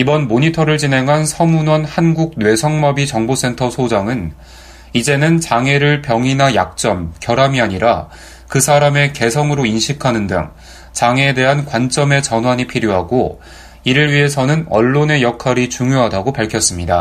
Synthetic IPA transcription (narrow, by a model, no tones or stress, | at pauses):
ibʌnmoɲitʰʌɾɯɭt͡ɕinɦe̞ŋɦansʰʌmunwʌnhanɡuɡ̚nwe̞sʰʌŋmʌbit͡ɕʌŋbos͈e̞ntʰʌsʰod͡ʑaŋɯn | id͡ʑe̞nɯnt͡ɕaŋe̞ɾɯɭpjʌŋinaja̰k̚t͡ɕ͈ʌmkjʌɾamiaɲiɾa | kɯsʰaɾame̞ke̞sʰʌŋɯɾoinɕʰikʰanɯndɯ̰ŋ | t͡ɕaŋe̞de̞ɦankwant͡ɕ͈ʌme̞t͡ɕʌnwaɲipʰiɾjoɦaɡo | iɾɯɭɥiɦe̞sʰʌnɯnʌ̰ɭːone̞jʌkʰaɾit͡ɕuŋjoɦadaɡopaɭkʰjʌs͈ɯmɲida